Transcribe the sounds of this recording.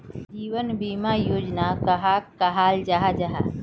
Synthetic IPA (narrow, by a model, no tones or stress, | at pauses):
d͡ʒiːwənbiːmajoːd͡ʒnakɐɦaːkɐɦaːld͡ʒaɦad͡ʒaɦa̰